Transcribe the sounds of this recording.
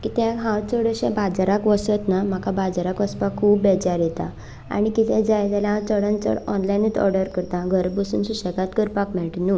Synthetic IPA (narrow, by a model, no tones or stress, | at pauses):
kit̪ɛ̃ɦãwt͡səɽəɕɛ̰̃bad͡zaɾakʋəsət̪nam̤akabad͡zaɾakʋəspakʰːuːbːɛd͡ʑaɾjet̪ã̰ | a̰ɽ̃ikit̪ɛ̃d͡zajlɛlãt͡səɽənt͡sə̰ɽɔnlajnit̪ɔ̰ɾɖəɾkəɾt̪ãɡʱəɾbəsṵnsuɕəkat̪kəɾpakmɛɭʈnu